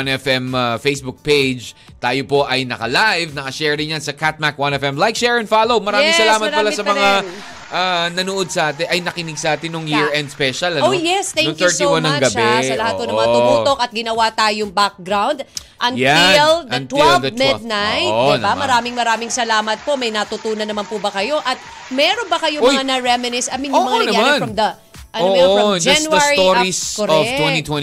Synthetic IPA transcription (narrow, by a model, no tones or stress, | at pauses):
anɛfɛmɐfejsbʊk̚pejd͡ʒ | t̪aːjopo̞ʔɐjnɐkɐlajvnɐkɐʃɛːɹd̪ɪnjansɐkat̪̚mak̚wanɛfɛmlajk̚ʃɛɹɛnfalowmɐɾaːmɪŋŋsɐlaːmɐt̪pɐlasɐmɐŋa | ʔanɐnoʔod̪̚sɐʔaːt̪̬ɛʔɐjnɐkɪnɪɡsɐʔaːt̪ɪnːoŋjiɹɛnd̪spɛʃɐlɐnoojɛst̪ɛŋnokŋt̪ɛɹt̪ianɐŋɡɐɛsɐlɐhat̪̚ponɐmɐŋɐmʊmuːt̪okɐt̪̚ɡɪnɐwat̪aːjoŋbak̚ɡɾawnd̪ʔɐŋjald̪ɐt̪wɛld̪ɐmɪd̪̚najt̪ddɪnbammɐɾaːmɪŋmɐɾaːmɪŋsɐlaːmɐt̪̚po̞mɐjnɐt̪ʊt̪uːnɐnːɐmanpʊbɐkɐjo̞ʔɐt̪̚ | mɛːɾo̞nbɐkɐjoŋmɐanɐɹɛmɪnɪsʔɐminʊmɐŋɐnɐnɐjaanfɾɐmd̪ɐ | ʔɐnood͡ʒanwɐasɹioɾiskoɾvwɛ̃it̪wɛ